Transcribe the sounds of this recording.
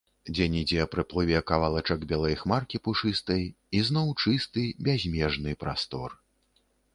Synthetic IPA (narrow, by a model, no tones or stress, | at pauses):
d͡zʲɛnʲid͡zʲɛpɾɨplˠɨvʲɛkɐvalˠat͡ʂɐɡbʲɛlˠɐjxmarkʲipuʂɨst̪ɐj | iznɔwt͡ʂɨst̪ɨbʲazʲmʲɛʐnɨpɾa̰st̪ɔr